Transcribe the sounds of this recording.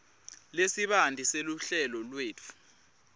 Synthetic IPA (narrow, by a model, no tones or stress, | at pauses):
lesiɓandʱiseluɬɛlɔlweːt͡fʰu̥